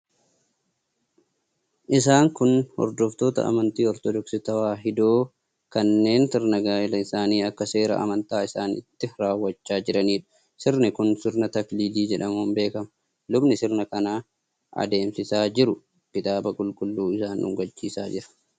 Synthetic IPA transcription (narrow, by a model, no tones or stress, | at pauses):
ʔɪs̬aːŋkʊnhɔ̰ɾd̪ɔft̪o̞ːt̪ɐ̰ʔɐ̰mɐnt̪iːɔɾt̪ɔd̪ɔksɪt̪ɐwaːɦɪd̪oː | kɐnːe̞ːnsɪɾnɐɡaːɪlɐɪsaːniːɐkːɐse̞ːɾɐ̰ʔɐ̰mɐnt̪aːɪsaːnɪ̰t̪ːɪɾaːwːɐt͡ʃːaːd͡ʒɪɾɐniːᶑʊ̥ | sɪɾnɪkʊnsɪɾnɐt̪ɐkliːliːd͡ʒɛᶑɐmuːmbe̞ːkɐmɐ | lʊbnɪsɪɾnɐkɐnaː | ʔɐ̰d̪e̞ːmsɪsaːd͡ʒɪɾʊ | kɪt̪aːbɐkʼʊlkʼʊlːuːɪsaːnʊ̰ŋɡɐt͡ʃːiːsaːd͡ʒɪɾɐ̥